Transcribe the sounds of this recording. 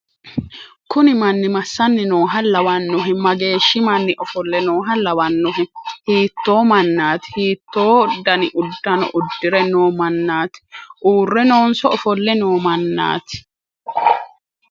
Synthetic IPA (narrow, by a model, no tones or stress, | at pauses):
kʊnɪmɐnːɪmɐsːɐnːɪnoːɦɐlɐwɐnːʊɦɪmɐɡe̞ːʃːɪmɐnːɪʔɔfɔlːɛnoːɦɐlɐwɐnːʊɦɪhiːt̪ːo̞ːmɐnːaːt̪ɪ̥hiːt̪ːoːd̪ːɐnɪʔʊd̪ːɐnɔ̰ʔʊd̪ːɪɾɛnoːmɐnːaːt̪ɪ̥ʔuːrːɛno̞ːnsɔɔfɔlːɛnoːmɐnːa̰ːt̪ɪ̥